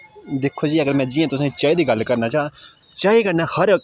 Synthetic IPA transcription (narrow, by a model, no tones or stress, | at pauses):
d̪ɪkʰːoːd͡ʒiːəɡəɾmɛ̃ːd͡ʒɪːãːt̪ʊsãːit͡ʃaːid̪iːɡəlːkəɾnaːt͡ʃaːa | t͡ʃaːikəɾnaːhəɾ